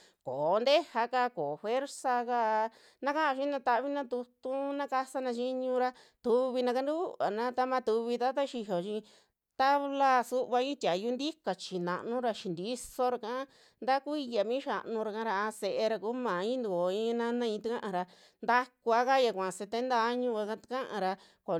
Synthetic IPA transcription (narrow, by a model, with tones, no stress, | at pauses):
ko˨˦nd̪e˦ha˧ka˧ko˨fwe˦ɾsa˧ka˧ | nã˦ka˦ã˧ʃĩ˦nã˧t̪a˧ʔβi˦nã˦t̪u˧t̪u˦nã˦ka˧sa˦nã˧t͡ʃi˦ɲũ˧ɾa˧ | t̪u˧βi˧nã˧ka˧nd̪u˦u˦βa̰˨nã˦t̪a˧mã˧t̪u˧βi˧t̪a˦t̪a˦ʃi˧ɦo˨t͡ʃĩ˧ | t̪a˦βla˦˧su˦ʔβa˧ĩ˦t̪ʲa˨ju˧˦nd̪i˦ka˨t͡ʃi˨nã̰˨ʔnũ˦ɾa˧ʃi˨nd̪i˦so˧ɾa˧kã˦ | nd̪a˦ku˦i˧ja˨mĩ˦ʃa˧ʔnũ˧ɾa˧kã˧˦ɾa˧a˧se˧ʔe˧ɾa˧kuː˦mã˨ĩ˦nd̪u˨o˨ĩ˧˦˧nã˦nã˦ĩ˧t̪a˦kã˦ʔã˧ɾa˧ | nd̪a˦ku˧a˧ka˦ja˧kʷã˨se˧t̪e˦nt̪aː˧˦ɲũ˦˧ka˧ka˧t̪kã˦ʔã̰˧ɾa˧ | ko˨